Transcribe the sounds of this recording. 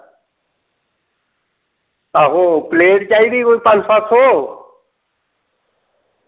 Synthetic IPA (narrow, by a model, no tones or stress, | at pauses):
aːɦoːpleːʈt͡ʃaːiːd̪iːkoːiːpãnsaːt̪ʰoː